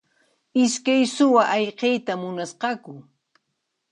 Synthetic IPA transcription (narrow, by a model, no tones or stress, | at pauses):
ɪskajsʊwaʔɑʎqejt̪amʊnasqɑkʊ